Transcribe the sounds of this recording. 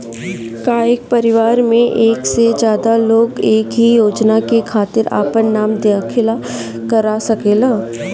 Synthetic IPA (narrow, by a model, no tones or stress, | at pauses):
kaːɪk̚pɐɾɪʋaːɾmẽʔeːksed͡ʒjaːd̪aloːɡeːkɦijoːd͡ʒnakekʰaːt̪ɪɾa̰ːpənːaːmd̪eaːkʰɪla | kəɾasɐkeːlaː